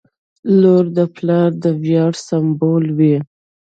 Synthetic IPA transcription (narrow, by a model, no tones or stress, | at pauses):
loɾd̪əplɑɾd̪əwjɑɽsambolwi